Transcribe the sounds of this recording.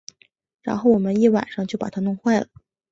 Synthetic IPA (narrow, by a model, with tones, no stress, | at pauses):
ɻa̰˧˥nxo˥˩ʊwɔ˨˩mə˦ni˥˩wa̰˨˩nʂɑ˥˧ŋt͡ɕjo˥˩ʊpa̰˨˩t̪ʰa˥nʊ˥˧ŋxwa˥˩ɪlə˩